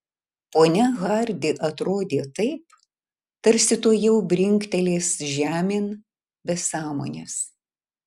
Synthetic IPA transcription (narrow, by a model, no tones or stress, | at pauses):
poːnʲɛɣɐɾʲd̪ʲɪʔɐt̪ɾoːd̪ʲeːt̪ɐɪp | t̪ɐɾʲsʲɪt̪oːjɛʊbʲɾʲɪŋʲkt̪ʲɛlʲeːsʒʲæːmʲɪn | bʲɛsɑːmo̰ːnʲḛːs